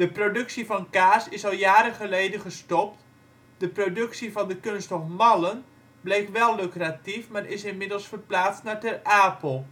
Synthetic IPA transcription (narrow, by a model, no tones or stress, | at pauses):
d̥əprodɵksivɑnkaːsɪsɑlˠjaːɾənχəlejdənχəstɔp̚t | d̥əprodɵksivɑndəkɵnstɔfmɑlən | blejkʋɛlˠːløkratifmarʔɪsɪnmɪdəlˠsfərplaːtstnaːɹtɛraːpəlˠ